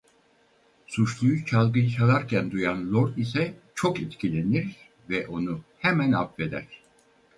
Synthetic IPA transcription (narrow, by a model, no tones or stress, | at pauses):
sut͡ʃlˠujut͡ʃʰalˠɡɯjɯt͡ʃʰalˠaɾcʰænd̪ujanlʲˠoɾt̪isɛt͡ʃʰokit̪cʰilʲe̞niɾ | vɛʔo̞nuhɛmænapve̞d̪æ̰ɾ̥